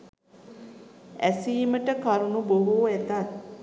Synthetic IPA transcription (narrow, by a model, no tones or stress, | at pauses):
æsiːməʈəkaɾunuboɦuet̪at̪̚